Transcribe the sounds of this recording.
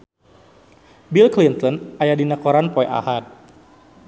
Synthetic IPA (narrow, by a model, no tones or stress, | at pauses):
bilklint̪ɔnajadinakɔɾanpɔjʔa̰hat̪̚